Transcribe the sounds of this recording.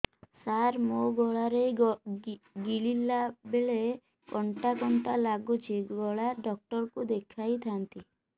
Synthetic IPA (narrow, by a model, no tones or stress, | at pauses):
saɾmoɡɔɭaɾej | ɡililabeɭe | kɔɳʈakɔɳʈalaɡut͡ʃʰiɡɔɭaɖɔk̚ʈɔɾkud̪ekʰajt̪ʰant̪i